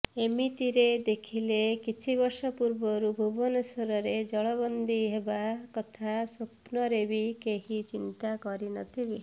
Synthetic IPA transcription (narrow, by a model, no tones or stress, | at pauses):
emit̪iɾed̪ekʰilekit͡ʃʰibɔɾsɔpuɾbɔɾubʱubɔnɔsɔɾɔɾed͡ʒɔɭɔbɔnd̪ʱiɦebakɔt̪ʰasopnɔɾebikeɦit͡ʃint̪akɔɾinɔ̰t̪ʰibi